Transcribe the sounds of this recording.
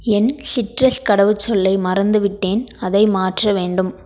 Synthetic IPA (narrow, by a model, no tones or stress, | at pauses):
ɛnsɪʈrɐskɐɽɐʋɯt͡ʃːɔlːɐɪmɐɾɐnd̪ɯʋɪʈːeːnɐðɐɪmaːʈrɐʋeːɳɖɯm